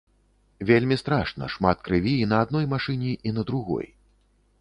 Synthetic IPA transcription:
vʲelʲmʲist̪ɾaʂnɐ̰ʂmat̪̚kɾɨvʲinɐːd̪nɔjmaʂɨnʲiʔinɐd̪ɾuɣɔ̰j

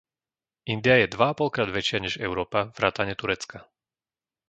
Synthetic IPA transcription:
ind̪iajɛd̪ʋaapɔlkɾaːd̪ʋɛt͡ʃɪaɲɛʒɛʊɾɔːpavɾaːt̪aɲɛt̪uɾɛt͡ska

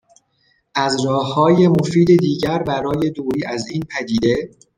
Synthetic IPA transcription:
ʔæzɾɒːhɒːje̞mo̞fiːd̪ed̪iːɟæɾbæɾɒːje̞d̪oːɾiːʔæziːnpʰæd̪iːd̪e̞

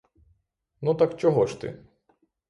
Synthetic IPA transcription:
nut̪akt͡ʃɔɦɔʃt̪ɪ̰

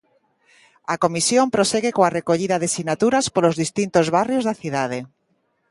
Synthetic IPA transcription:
akomisjompɾoseɣekoarekoʎiðaðesinat̪uɾaspolozðist̪int̪ozβarjozðaθiðað̞e

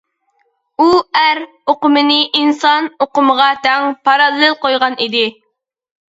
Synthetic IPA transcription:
uæɾ | oqʊmɨnɪʔinsɑnoqʊməʁɑt̪ʰɛŋpʰɑɾɑlˠːɨlˠqojʁɑnid̪ɪ

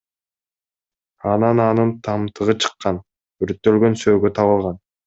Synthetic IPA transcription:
ɑnɑnɑnɯnt̪ʰɑmt̪ʰɯʁɯt͡ʃʰɯ̥qːɑn | yɾt̪ːø̞lɡø̞nsø̞ːɡøt̪ʰɑβɯlˠʁɑn

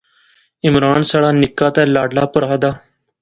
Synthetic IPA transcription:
ɪmɾaːnsaːɽaːnɪkːaːt̪ɛ̃ːlaːɖlaːpəɾaːd̪aː

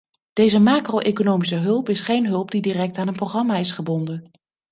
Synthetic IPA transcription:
d̥ejzəmaːkrowʔejkonowmis̬əɦɵlˠpɪsχejnɦɵlˠpdidirɛk̚taːnənproχrɑmaːɪsχəbɔndən

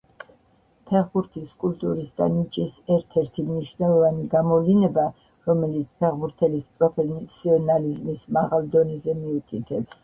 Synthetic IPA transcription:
pʰɛʁbuɾt̪ʰiskʼult̪ʼuɾisd̪a̰nit͡ʃʼisɛɾt̪ʰɛɾt̪ʰimniʃnɛlˠɔvaniɡamɔvlinɛba | ɾɔmɛlit̪sʰpʰɛʁbuɾt̪ʰɛlispʼɾɔpʰɛsʰiɔnalizmismaʁalˠd̪ɔnɛzɛmiukʼit̪ʰɛps

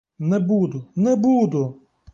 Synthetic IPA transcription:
nɛbud̪ʊnɛbud̪ʊ

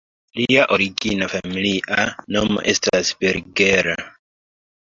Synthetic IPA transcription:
liaʔo̞ɾiɡinafamiliʔanomo̰ʔe̞stasbeɾɡe̞ɾa

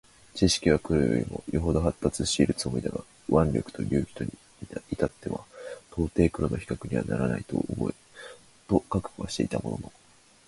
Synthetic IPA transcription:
t͡ɕiɕi̥kʲiβakɯ̟ɾojo̰ɾʲimo̞̰joɦo̞d̪o̞ɦat̪ːat͡sɨɕiːɾɯ̟t͡sɨmo̞id̪aɡa | βãnɾʲo̞kɯ̥t̪o̞̰ɾʲɨːkʲi̥t̪o̞ɲi | it̪at̪ːe̞βa̰t̪ʰo̞ːt̪e̞ːkɯ̟ɾono̞çi̥kakɯ̟ɲ̟iβa̰naɾanait̪o̞̰ʔːbo̞e | t̪o̞kakɯ̥kɯ̟βa̰ɕi̥t̪e̞̰it̪amo̞̰no̞̰no

